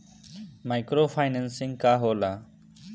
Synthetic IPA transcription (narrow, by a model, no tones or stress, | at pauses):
maːɪkɾoːfʰaːɪnənsɪ̃ŋɡkaːɦoːlaː